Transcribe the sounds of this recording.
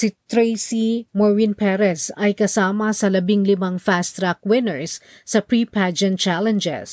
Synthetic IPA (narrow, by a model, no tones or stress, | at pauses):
sit̪ɾejsimɔɹvinpɛɾɛsɐjkɐsaːmɐsɐlɐbiŋlɪmaŋfast̪ɾak̚wɪnɛɹsː | ɐpɹipad͡ʒɛnt̪̚t͡ʃalɛnd͡ʒɛ̰s